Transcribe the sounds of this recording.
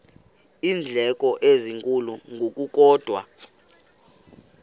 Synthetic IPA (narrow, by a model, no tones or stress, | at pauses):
iːnd͡ɮʱɛkʼɔʔeziŋkʼuluŋɡʱok̬ʼuk̬ʼɔːd̥ʱwa̰